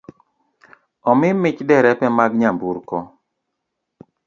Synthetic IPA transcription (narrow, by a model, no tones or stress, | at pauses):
ɔmɪmɪt͡ʃdɛɾɛpɛmaɡɲambuɾkɔ